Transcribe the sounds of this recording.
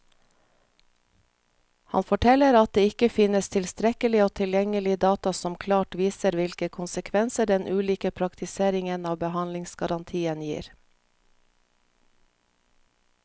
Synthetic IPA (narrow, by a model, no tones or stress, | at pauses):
hɑ̰nfɔʈʰɛləɾɑt̪̚d̪eːɪkəfɪnəst̪ʰɪlst̪ɾɛkəlɪoːt̪ʰɪljɛŋəlɪd̪ɑːt̪ɑsɔmkʰlɑːʈʋiːsəɾʋɪlkəkʰʊnsəkʰʋɛnsəɖɛnʔʉːliːkəpʰɾɑkt̪ʰɪseːɾɪŋənɑːʋbəhɑnlɪŋsɡɑɾɑnt̪ʰiːənjḭːɾ